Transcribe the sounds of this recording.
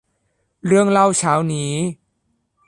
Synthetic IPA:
ɾɯ˧əŋɾa˧wt͡ɕʰaː˦˥wniː˦˥

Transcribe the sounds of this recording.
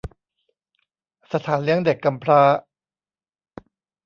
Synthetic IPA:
sa˧t̪ʰaː˩˦nli˦˥əŋde˨˩kːa˧mpʰɾaː˦˥

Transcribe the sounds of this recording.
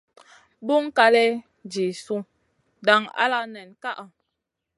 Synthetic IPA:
bu˦ŋ˦ka˦lɛ˦ | d͡ʒi˨su˦ | da˨ŋa̰˦la˦nɛ˨nka˦ʔa˨

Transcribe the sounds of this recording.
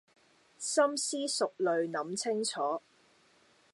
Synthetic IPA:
sɐ˥msiː˥sʊ˨k̚lɵ˨ɥnɐ˨˥mt͡sʰɪ˥ŋt͡sʰɔː˨˥

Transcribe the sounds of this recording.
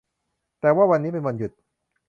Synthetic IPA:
t̪ɛː˨˩waː˥˩wa˧nːiː˦˥p̬e˧nwa˧nju˨˩t̪̚

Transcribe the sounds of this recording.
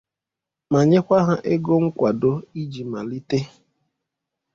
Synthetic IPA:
ma˨ɲe˦kʷa˦ɦa˦ʔe˦ɡo˦ŋ̩˦kʷa˨do˦i˦d͡ʒi˨ma˨li˦te˦

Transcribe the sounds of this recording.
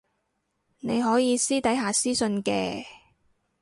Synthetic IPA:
ne˨˧jɦɔː˨˥jiː˨˧siː˥t̪ɐ˨˥jɦaː˨siː˥sɵ˧nkɛ̰ː˧

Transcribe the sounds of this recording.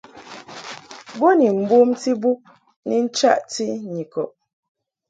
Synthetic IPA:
bɔ˦ni˨m̩˨bu˦mti˦bu˦k̚ | ni˦n̩˦t͡ʃa̰˦ʔti˦ɲi˨kɔ˨p̚

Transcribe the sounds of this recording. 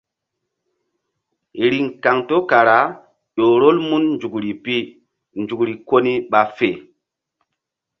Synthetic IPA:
ɾi˨ŋka˨ŋto˦ka˨ɾa˨˦ | ʄo˨ɾo˦lmu˦nnd͡ʒu˨kɾi˨pi˦ | nd͡ʒu˨kɾi˨ko˦ni˦ɓa˨fe˨

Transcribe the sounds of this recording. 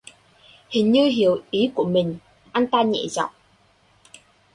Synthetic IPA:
hi˨˩nji˧wɦi˨˩əwi˨˦ku˨˩˨mi˨˩ŋ | ʔa˧˥nt̪aː˧˥nɲɛ̰ː˨za̰˨˩˨w

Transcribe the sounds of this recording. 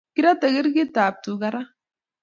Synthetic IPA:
ki˦ɾa˦t̪ə˨ɡi˦ɾɡi˦t̪aː˨p̚t̪u˨ɡa˦ɾa˦

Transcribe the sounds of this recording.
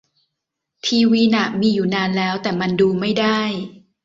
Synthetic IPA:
t̪ʰiː˧wiː˧na˨˩ʔmiː˧juː˨˩naː˧nlɛː˦˥wt̪ɛː˨˩ma˧nduː˧ma˥˩jda˥˩j

